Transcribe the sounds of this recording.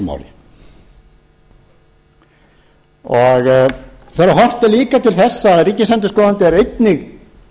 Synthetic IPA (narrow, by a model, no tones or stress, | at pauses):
ma̰wlɪ | ɔɣ | θɛɾaɦɔr̥t̪ɛɾliːkat̪ʰɪlθɛsːaːðɛɾiːcːɪsɛnt̪ʏskɔːðant̪ɪɛɾejt̪nɪɣ